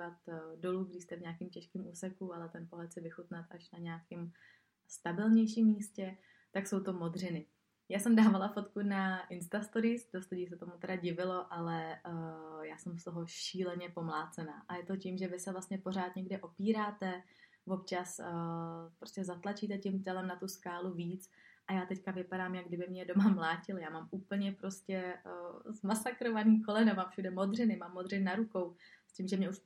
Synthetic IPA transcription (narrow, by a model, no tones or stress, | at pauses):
ivat̪do̞luːɡdɪst̪ɛvɲɛakimcɛʃkiːmuːsɛkualɛt̪ɛnpo̞ɦlɛt̪sɪvɪxut̪nat̪aʃnaɲɛakɪm | st̪abɪlɲɛjʃimːiːscɛ | t̪akso̞wt̪o̞mod̪r̝ɪnɪ | jaːsɛmdaːvalafo̞t̪kunaʔɪnst̪ast̪oɾɪsdost̪uɟiːs̬ɛt̪o̞mut̪ɛɾaɟɪvɪlo̞ʔalɛ | jaːsɛmst̪o̞ɦo̞ʃiːlɛɲɛpo̞mlaːt͡sɛnaːʔajɛt̪o̞ciːmʒɛvɪsɛvlast̪ɲɛpo̞ɾaːt̪ɲɛɡdɪʔo̞piːɾaːt̪ɛ | vo̞pt͡ʃas | pɾoscɛzat̪lat͡ʃiːt̪ɛcɪmt̪ɛlɛmnat̪uskaːluviːt͡sʔajaːt̪ɛckavɪpaɾaːmjaɡdɪbɪmɲɛdo̞mamlaːcɪljaːmaːmʔuːpl̩ɲɛpɾo̞scɛ | zmasakɾo̞vaniːko̞lɛnɛmafʃudɛmod̪r̝ɪnɪmaːmːo̞d̪r̝ɪnnaɾuko̞wsciːmʒɛmɲɛuʃ